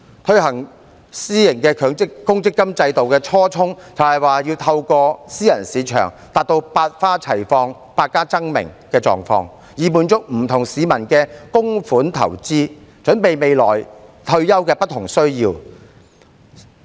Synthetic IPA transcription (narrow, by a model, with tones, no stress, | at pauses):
t̪ʰɵ˧ɥhɐ˨˩ŋ | siː˥jɪ˨˩ŋkɛː˧kʰːŋɪ˥kʊ˥ŋt͡sɪ˥kːɐ˥mt͡sɐ˧jt̪o˨wkɛː˧t͡ʃʰɔː˥t͡sʰʊ˥ŋt͡sɐ˨whɐ˨˩jwaː˨˩ji˧wt̪ʰɐ˧wkɔː˧siː˥jɐ˨˩nsiː˨˥t͡ʃʰœ̰ː˨˩ŋ | t̪aː˨t̚t̪o˧wpaː˧t̚faː˥t͡sʰɐ˨˩jfɔː˧ŋ | paː˧t̚kːaː˥t͡sɐ˥ŋmɪ̰˨˩ŋkɛː˧t͡sɔ̰ː˨ŋfɔ̰ː˧ŋ | jiː˨˩muː˨˧nt͡sʊ˥k̚m̩˨˩t̪ʰʊ˨˩ŋsiː˨˧mɐ˨˩nkɛː˧kʊ˥ŋfuː˨˥nt̪ʰɐ̰˨˩wt͡siː˥t͡sɵ˨˥npe˨jme˨jlɔː˨˩jt̪ʰɵ˧ɥjɐ˥wkɛː˧pɐ˥t̪ʰːʊ˨˩ŋsɵ˥ɥjiː˧w